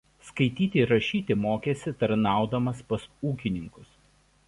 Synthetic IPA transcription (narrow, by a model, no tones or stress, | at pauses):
skɐɪt̪ʲiːt̪ʲeɾɐʃʲiːt̪ʲɪmoːkʲeːsʲɪt̪ɐɾnɑˑʊd̪ɐmɐspɐsuːkʲɪnʲɪŋkʊs